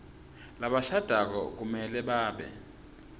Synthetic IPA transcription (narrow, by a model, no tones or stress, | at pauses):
laɓaʃad̥ʱak̬ɔ̰k̬umɛlɛɓaːɓɛ̰